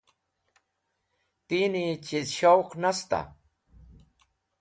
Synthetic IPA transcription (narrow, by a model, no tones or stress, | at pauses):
t̪init͡ʃisʃawqnast̪a̰